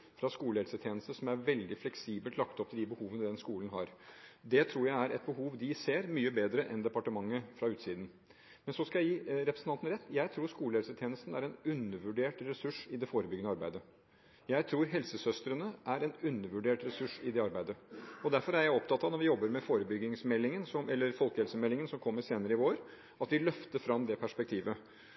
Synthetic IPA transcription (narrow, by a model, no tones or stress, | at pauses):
fɾɑskuːləhɛlsət̪ʰjeːnəst̪əsɔmæɾʋɛld̪ɪflɛksiːbəlt̪lɑkt̪ɔp̚t̪ʰɪld̪ɪbəhuːʋənəd̪ɛnskuːlən̩ɦɑ̰ɾd̪ɛt̪ʰɾuːɾjæɪæɾʔɛt̪̚bəɦuːʋd̪ɪseːɾmyːəbeːd̪ɾəʔɛnd̪ɛpɑʈəmɑŋːəfɾɑʉːt̪siːd̪n̩ | mɛnsɔskɑjæɪjiːɾɛpɾəsn̩ʰɑnt̪n̩ɾɛt̪ːjæɪt̪ʰɾuːɾʂkuːləhɛlsət̪ʰjeːnəst̪n̩æ̰ɾɛnʉnːəɾʋʉɖeːʈɾɛsʉʂɪd̪ɛfoːɾəbʏɡːənəɑɾbæɪd̪ə | jæɪt̪ʰɾuːɾɦɛlsəsœst̪ɾənəʔæɾɛnʉnːəɾʋʉɖeːʈɾɛsʉʂɪd̪ɛɑɾbæɪd̪əɔd̪æɾfɔɾæɾjæɪɔpt̪ɑt̪ːɑːnɔɾʋɪjɔbːəɾmɛfoːɾəbʏɡːɪŋsmɛlːɪŋənsɔmʔɛlːəɾfɔlkəhɛlsəmɛlːɪŋənsɔmkʰɔmːəɾseːnəɾəɪʋoːɾ | ɑt̪ʋɪlœft̪əɾfɾɑmd̪ɛpʰæʂpɛk̚t̪ʰiːʋə